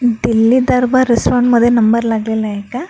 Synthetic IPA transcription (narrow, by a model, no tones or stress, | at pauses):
ɖilːid̪ɐɾbɐɾɛspaːɳɖmɐd̪jenɐmbɐɾɐlaːɡlilːɐɛkːa